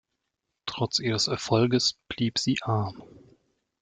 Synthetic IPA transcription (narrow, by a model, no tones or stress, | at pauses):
tʁ̥ɔt͡sʔiːʁəsɛɐfɔlɡəsb̥liːpz̥iːʔaɐm